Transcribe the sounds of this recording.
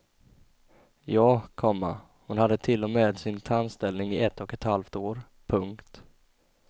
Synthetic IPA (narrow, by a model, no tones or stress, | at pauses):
jɑːkʰɔmːa̰ | hʊnhad̪ːət̪ʰɪlːɔmeːd̪sɪnt̪ʰanst̪ɛlnɪŋɪɛt̪ːɔkɛt̪halft̪oːɾ | pʰɵŋkt̪